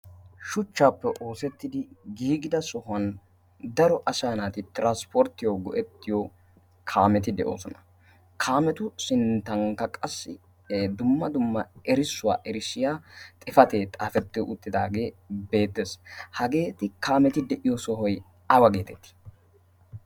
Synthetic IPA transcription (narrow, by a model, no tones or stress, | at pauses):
ʃʊt͡ʃːaːpːɛʔo̞ːsɛt̪ːɪd̪ɪɡiːɡɪd̪ɐsɔhʊɐn | d̪ɐɾɔʔɐsaːnaːt̪ɪt̪ɪɾanspɔɾt̪ːɪjɔɡɔʔɛt̪ːɪjɔ | kʰaːmɛt̪̬ɪd̪ɛʔo̰ːsɔnɐ | kʰaːmɛt̪ʊsɪnt̪ːɐŋkːɐkʼɐsːɪ̰ | d̪ʊmːɐd̪ʊmːɐɛɾɪsːʊwa̰ːʔɛɾɪsːɪjaːt̪ʼɪfɐt̪eːt̪ʼaːfɛt̪ːɪjɔʔʊt̪ːɪd̪aːɡe̞ːbe̞ːt̪ːeshɐɡe̞ːt̪ɪkaːmɛt̪ɪd̪ɛʔɪjɔsɔɦɔj | ɐwɐɡe̞ːt̪ɛt̪ːi̥